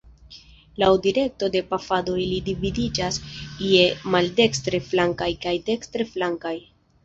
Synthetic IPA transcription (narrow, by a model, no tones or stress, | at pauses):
lawdiɾe̞k̚to̞de̞pafadoilidividid͡ʒasiemalde̞kstɾe̞flaŋkajkajde̞kstɾe̞flaŋkaj